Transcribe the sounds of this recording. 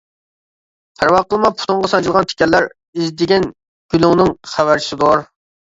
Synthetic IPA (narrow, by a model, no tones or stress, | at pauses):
pʰæɾwɑqəlˠmɑpʰu̥t̪ʰʊɴʁɑsɑnt͡ʃʰilˠʁɑnt̪ʰe̥kʲɛlːæɾ | izd̪ɪɡʲɛn | ɡ̥ʲyluŋnɪŋχæwæɾt͡ʃʰi̥sɪd̪oɾ